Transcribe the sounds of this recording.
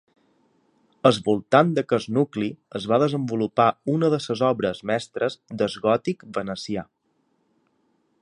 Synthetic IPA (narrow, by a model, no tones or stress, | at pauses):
əzβulˠt̪and̪əkəznukliəzβaðəzəmbulupaunəðəsəzɔβɾəzmɛst̪ɾəzd̪əzɣɔt̪ikbənəsia